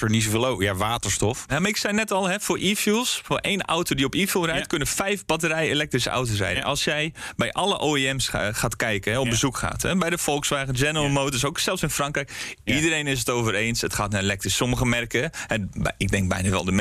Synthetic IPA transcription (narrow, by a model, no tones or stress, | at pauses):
fəɹnis̬ovlojaʋaːtəɹstɔfamaɪksɛjnɛtɔlˠɦɛfoːɹʔiːfjulˠsfoːrʔejnɔ̰wtodiɔpiːfjulˠrɛjtkønəfɛjfbatəɾɛjelɛk̚trisa̰wtos̬rɛ̰jdə̰nʔɑlˠsjɛjbɛjʔɑləʔoːiɛmsχaːtkɛjkəɦɛɔbəzukχa̰ːtɛbɛjdəfɔlˠksʋaːɣənd͡ʒɛnəəlˠmowtəɹs̬oːksɛlˠsɪnfrɑŋkrɛjkidəɾejnɪs̬ətoːvərejnsətχaːtnaelɛktrisɔməɣəmɛrkəɛbɪɡ̚dɛŋɡ̚bɛ̰jnaʋɛ̰lˠdəm